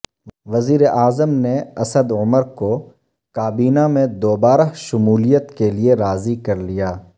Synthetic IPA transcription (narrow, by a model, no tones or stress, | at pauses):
ʋɐziːɾeʔaːzəmneɐsəd̪ʊməɾko | kaːbiːnamẽd̪oːbaːɾaʃʊmuːlijət̪kelieɾaːzikɐɾlijaː